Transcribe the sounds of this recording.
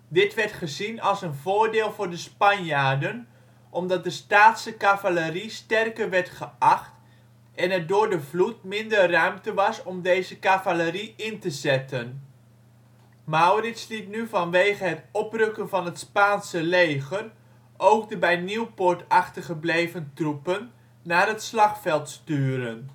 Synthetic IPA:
dɪtʋɛɹtχəzinɑlˠsənvʊːɹdɪːlˠvʊːɹdəspɑnjaːdən | ʔɔmdɑt̚dəstaːtsəkavaləristɛrkərʋɛɹtχəʔɑχt | ɛnɛdʊːɹdəvlut̚mɪndərrœɥmtəʋɑsɔmdejzəkavaləriɪntəzɛtən | mawrɪslitnyvɑnʋejχəɦətɔprɵkənvɑnɦətspaːnsəlejχər | ʔowkdəbɛjniwpʊɹtɑχtərχəblejvəntrupənː | aːrɦətslɑχfɛlˠtstyːɾən

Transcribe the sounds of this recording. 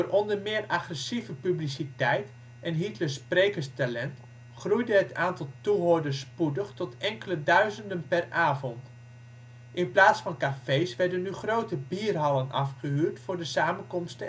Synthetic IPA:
doːrɔndərmɪːəraχrəsivəpyblisitɛjt | ʔɛnɦitləspreːkəstalɛnt | χrujdəɦətʰaːntɑlˠtuɦoːɹdəspudəχtɔtɛŋkələdœɥzəndənpɛrʔaːvɔnt | ʔɪnplaːtsfɑnkafejsʋɛɹdənːyχrowtəbiːrɦɑlənɑ̰fχəɦyːrtfʊːɹdəsaːmənkɔmstə

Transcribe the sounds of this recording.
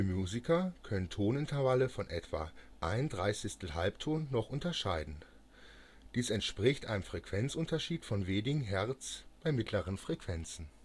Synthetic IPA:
imjuːzɪkʰɐkʰœnəntʰoːnɪntʰɐvaləfɔnʔɛtv̥a̰ːʔa̰ɪnəndʁaɪsɪçstl̩ɦalptʰoːnːɔχʔʊntɐʃaɪdn̩ | d̥iːsɛntʃpʁ̥ɪçtʔa̰ɪnəmfʁ̥ɛkv̥ɛnt͡sʔʊntɐʃiːtfɔnveːnɪɡŋ̩ɦɛɐt͡sb̥aɪmɪtʰləʁ̞ənfʁ̥ɛkv̥ɛnt͡sn̩

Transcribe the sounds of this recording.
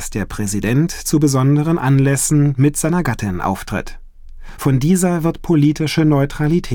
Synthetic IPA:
sd̥eːɐpʁ̥ɛzidɛntt͡subəzɔndəʁənʔanlɛsn̩mɪtz̥aɪnɐɡatʰɪnʔa̰ʊftʁ̥ɪ̰t | fɔndiːzɐvɪɐtpʰoliːtɪʃənɔʏtʁ̥alitʰɛː

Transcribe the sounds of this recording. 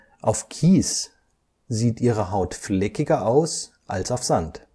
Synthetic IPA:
ʔaʊfkʰiːs | z̥iːtʔiːʁəɦaʊtflɛkɪɡɐʔaʊs | ʔalsaʊfz̥ant

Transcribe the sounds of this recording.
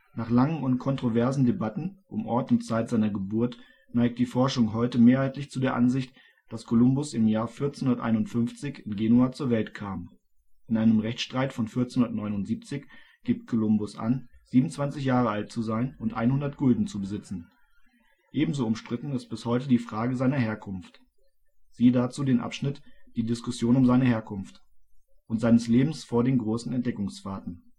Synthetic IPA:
naːχlaŋənʊntkʰɔntʁ̥ovɛɐzn̩debatn̩ʔʊmʔɔɐtʊntt͡saɪtz̥aɪnɐɡəbʊɐt | naɪk̚t̚d̥iːfɔɐʃʊŋɦɔʏtəmeːɐhaɪtʰlɪçt͡sudeːɐʔa̰nzɪçt | d̥askʰolʊmbʊsɪmjaːɐfɪɐt͡senʊnɐtʔa̰ɪnʊntfʏnft͡sɪçɪnɡeːnuaːt͡suːɐvɛltkʰaːm | ʔɪnʔaɪnəmʁɛçtʃtʁ̥aɪtfɔnfɪɐt͡senʊnɐtnɔʏnʊntz̥iːp̚t͡sɪç | ɡ̥iːp̚tkʰolʊmbʊsʔa̰nz̥iːbm̩t͡sv̥ant͡sɪçjaːʁəalt̚t͡suzaɪnʊntʔa̰ɪnhʊndɐtɡ̥ʊldn̩t͡subəzɪt͡sn̩ | ʔeːbm̩zoːʊmʃtʁ̥ɪtn̩ɪst̚b̥ɪshɔʏtədiːfʁ̥aːɡəzaɪnɐheːɐkʰʊnft | z̥iːədat͡suːdeːnʔa̰pʃnɪtd̥iːdɪskʊsjoːnʊmzaɪnəheːɐkʰʊnft | ʔʊntz̥aɪnəsleːbm̩sfoːɐdeːnɡʁoːsn̩ɛnt̚d̥ɛkʊŋsfaːɐtn̩

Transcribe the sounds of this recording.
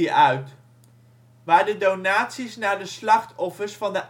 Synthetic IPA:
iʔœɥt | ʋaːɹdədownaːtsisnaːɹdəslɑχtɔfəɹsfɑndəʔ

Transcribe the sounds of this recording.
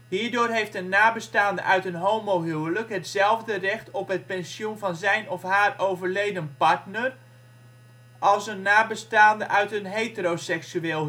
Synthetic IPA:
hiːɹdoːrɦejftənːaːbəstaːndə̰ʔœɥtənɦomoɦywələkɦətsɛlˠvdərɛxtʰɔpɦət̚pɛnsjunvɑnzɛjnɔfhaːrowvərlejdənpaɹtnər | ʔɑlˠsənːaːbəstaːndəʔœɥtənɦeːtərosɛksyeːlˠ

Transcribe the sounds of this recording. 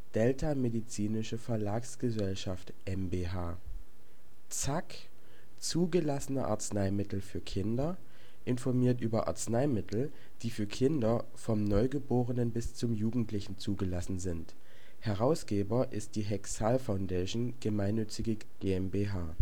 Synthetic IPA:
d̥ɛltʰamedit͡siːnɪʃəfɛɐlaːksɡ̥əzɛlʃaftʔɛmbeːɦaː | t͡sak | t͡suːɡəlasənɐʔa̰ɐt͡snaɪmɪtl̩fyːɐkʰɪndɐ | ʔɪnfɔɐmiːɐtʔyːbɐʔa̰ɐt͡snaɪmɪtl̩ | d̥iːfyːɐkʰɪndɐ | fɔmnɔʏɡəboːʁənənbɪst͡sʊmjuːɡŋ̩tlɪçn̩t͡suːɡəlasn̩zɪnt | hɛʁ̞aʊsɡ̥eːbɐʔɪst̚d̥iːɦɛksalfaʊndaːʃnɡ̥əmaɪnːʏt͡sɪɡə | ɡ̥eːɛmbeːɦaː

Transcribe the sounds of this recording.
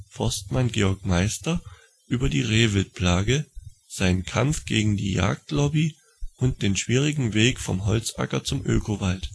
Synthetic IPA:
fɔɐstmanɡeːɔɐkmaɪstɐ | ʔyːbɐdiːʁeːvɪlt̚pʰl̥aːɡəz̥aɪnənkʰamfɡ̥eːɡŋ̩dḭːja̰ːk̚tlɔbi | ʔʊnt̚d̥eːnʃv̥iːʁɪɡŋ̩veːkfɔmɦɔlt͡sʔa̰kɐt͡sʊmʔø̰ːkʰovalt

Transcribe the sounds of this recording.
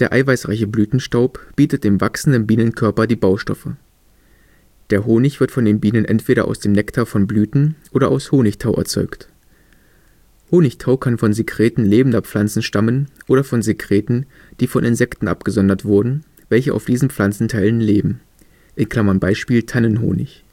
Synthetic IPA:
d̥eːɐʔa̰ɪvaɪsʁaɪçəblyːtn̩ʃtaʊpb̥iːtət̚d̥eːmvaksn̩dənbiːnənkʰœɐpɐdiːbaʊʃtɔfə | d̥eːɐɦoːnɪçv̥ɪɐtfɔndeːnbiːnənʔɛ̰ntv̥eːɾɐ̰ʔa̰ʊsd̥eːmnɛktʰaɐfɔnblyːtn̩ʔoːɾɐʔaʊshoːnɪçtʰaʊʔɛ̰ɐt͡sɔ̰ʏkt | hoːnɪçtʰaʊkʰanfɔnzekʁ̥eːtn̩leːbn̩dɐp͡flant͡sn̩ʃtamənʔoːɾɐfɔnzekʁ̥eːtn̩ | d̥iːfɔnʔɪnzɛktn̩ʔa̰pɡ̥əzɔndɐtv̥ʊɐdn̩ | vɛlçəʔa̰ʊfd̥iːzn̩p͡fl̥ant͡sn̩tʰaɪlənleːbm̩ | ʔɪnkl̥amɐnbaɪʃpiːltʰanənɦo̰ːnɪ̰ç

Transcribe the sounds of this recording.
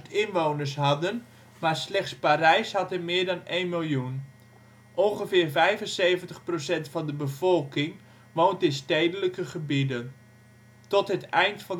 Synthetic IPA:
tɪnʋownəɹsɦɑdən | maːɹslɛχtspaɾɛjshɑtɦəmɪːɹdɑnejnmɪlˠjun | ʔɔnχəvɪːɹvɛjvənsejvəntəχprosɛntfɑndəbəv̥ɔlˠkɪŋ | ʋowntɪnstejdələkəχəbidən | tɔtɦətɛjntfɑn

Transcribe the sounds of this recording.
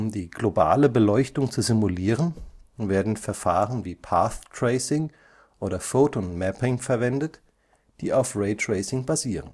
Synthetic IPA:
ʔʊmdiːɡloba̰ːləbəlɔʏçtʊŋt͡suzimuliːʁənveːɐdn̩fɛɐfaːʁənviːpʰaːθtʁ̥eɪsɪŋ | ʔoːdɐfoːtonmɛpɪŋfɛɐvɛndət | d̥iːaʊfʁeɪtʁ̥eɪsɪŋbaziːʁən

